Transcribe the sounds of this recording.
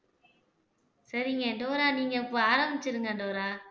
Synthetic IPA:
sɐɾɪŋɡɐɖoːɾaːniːŋɡɐɪpːoaːɾɐmbɪt͡ʃːɪɾɯŋɡɐɳɖoːɾaː

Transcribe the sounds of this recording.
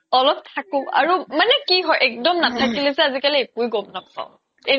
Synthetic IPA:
ɔlɔp̚tʰakʊ̃a̰ɹumanɛkiɦɔjʔɛk̚dɔmnatʰakilesɛazikaliekujɡɔbnɔksa̰ʊ | e

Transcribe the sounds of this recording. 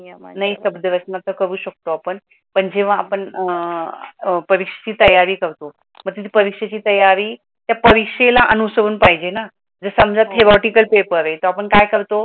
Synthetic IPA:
naɦisəbd̪əʋəsnat̪əkəɾuːɕək̚t̪oapəɳ | pəɳd͡ʑeʋ̤ãapəɳ | pəɾikʂet͡ɕiːt̪əjaɾiːkəɾt̪o | məɡt̪it̪ʰiːpəɾikʂet͡ɕiːt̪əjaɾiː | t̪japəɾikʂelaʔənusəɾuːnpaɦid͡ʑena | d͡zəsəmd͡zat̪ʰːeɾɔʈikəlpepəɾet̪oapəɳkajkəɾt̪o

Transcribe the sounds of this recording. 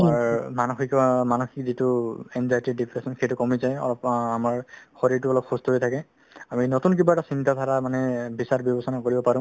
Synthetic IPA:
aɹmanoxikɔmanɔxikzitʊɛmzajtidipʰɹesɔnxejtʊkɔmizajɔ̰lɔpamaɹxoɹiɹtʊɔlɔp̚xustɔɦojtʰakɛ | aminɔtunk̬ibaɛtasintat̪ʰaɹamanɛbisaɹbjɔbɔsɔnakoɹibɔpaɹʊ̃

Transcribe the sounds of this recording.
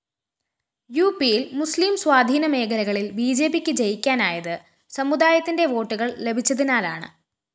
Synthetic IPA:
juːpijilmuslimswaːd̪ʱiːnɐme̞ːkʰɐlɐɣɐɭilbiːd͡ʑe̞ːbikʲːɨd͡ʑejikʲːaːnaːjɐðɨ | sɐmud̪aːjɐt̪ːinde̞ʋo̞ːʈːuɣɐɭle̞bʱit͡ɕːɐðinaːlaːɳɨ̰

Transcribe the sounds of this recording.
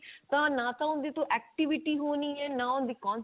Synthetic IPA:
t̪ãːnãːt̪ãːʊnd̪iːt̪õːʔɛːk̚ʈɪʋɪʈiːɦoːnĩːɛːnãːʊnd̪iːkɔ̃ːn

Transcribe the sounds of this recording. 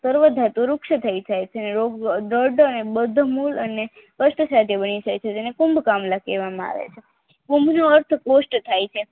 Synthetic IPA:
səɾʋəd̪ʱat̪oɾʊkʃət̪ʰəid͡ʒajt͡ʃʰeneɾoɡɖəɖənebəd̪ʱmuləne | kəsʈəsat̪ʰebənid͡ʒajt͡ʃʰet̪enekumbkamlakeʋamãa̰ʋḛt͡ʃʰe | kumbnoəɾt̪ʰkosʈt̪ʰajt͡ʃʰe

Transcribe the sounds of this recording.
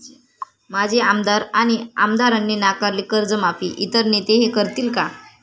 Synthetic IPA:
mad͡ʑʱiamd̪aɾañia̰md̪aɾanːiːnakaɾliːkəɾd͡zəmapʰḭːʔit̪əɾnit̪eɦekəɾt̪iːlka

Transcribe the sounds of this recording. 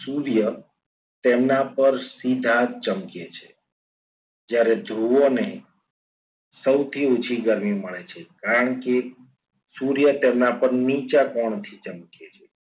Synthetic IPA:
suɾjə | t̪emnapəɾsid̪ʱat͡ʃəmket͡ʃʰe̥ | d͡ʒjaɾed̪ʱɾuone | səwt̪ʰiot͡ʃʰiɡəɾmiməɭet͡ʃʰekaɾəɳke | suɾjət̪emnapəɾnit͡ʃakɔɳ̃t̪ʰit͡ʃəmket͡ʃʰe

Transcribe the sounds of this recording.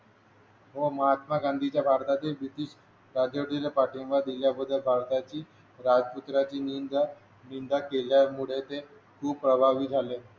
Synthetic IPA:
ɦoməɦat̪maɡand̪ʱit͡ɕjabʱaɾt̪at̪iːlbɾit̪iːɕ | ɾad͡ʑəʈiləpaʈinʋad̪iljabəd̪ʱːəlbʱaɾt̪at͡ɕiː | ɾad͡zput̪ɾat͡ɕiːnind̪ | nind̪akeljamuɭet̪e | kʰuːb̚pːɾəbʱaʋiːd͡zʱale

